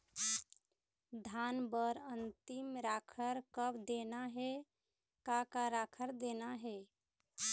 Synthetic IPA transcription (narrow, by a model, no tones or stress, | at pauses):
d̪ʱanbəɾənt̪imɾakʰəɾkəbd̪enaɦe | kakaɾakʰəɾd̪enaɦe